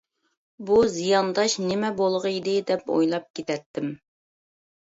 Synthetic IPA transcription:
buzijɑnd̪ɑʃnɪmɛbolˠʁəid̪ɪd̪ɛpo̰jlˠɑp̚kʲet̪ʰɛt̪ʰːɪm

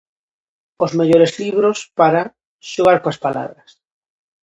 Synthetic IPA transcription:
ozmeʎoɾezliβ̞ɾospaɾa | ʃoɣ̞aɾkoaspala̰ðɾas

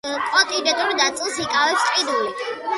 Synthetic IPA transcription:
kʼɔt̪ʼid̪ɛt̪ʼuɾd̪at̪sʼlˠsikʼavɛpsqʼid̪uli

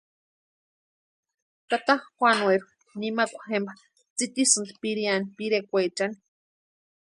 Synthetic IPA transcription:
t̪at̪ahxʷanweɾw | nimakʷḁxemba | t͡sit̪isɨnt̪piɾianpiɾekʷet͡ʃani̥

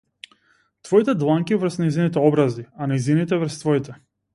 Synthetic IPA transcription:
t̪vɔit̪ɛd̪lˠaŋkivəɾ̩snɛjzinit̪ɛɔbɾazianɛjzinit̪ɛvr̩st̪vɔit̪ɛ

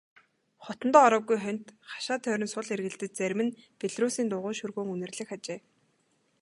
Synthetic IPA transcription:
χɔt̪ɞ̆nt̪ɔːɾɔːɣujχœn̥ʲt̪χḁʃaːt̪ʰːœːɾʲɪ̆nsʊɮerɣɘ̆ɬt̪ɘ̆t͡ɕ̚t͡sæɾʲmɘ̆npeɮruːsiːnt̪ʊʁʊːʃurɣoːŋunɘ̆rɮɘ̆xat͡ɕeː

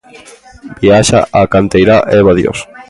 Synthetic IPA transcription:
biaʃa̰ʔakant̪ejɾaʔeβaðjo̰s

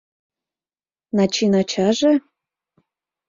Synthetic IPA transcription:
nɑt͡ɕinɑt͡ɕɑʒe

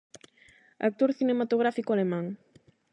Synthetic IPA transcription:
a̰k̚t̪oɾθinemat̪oɣ̞ɾafikoalemãŋ

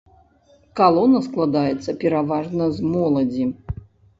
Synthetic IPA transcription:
kalˠɔnɐsklˠad̪ajɛt̪sːɐpʲɛɾavaʐnɐzmɔlˠɐd͡zʲi

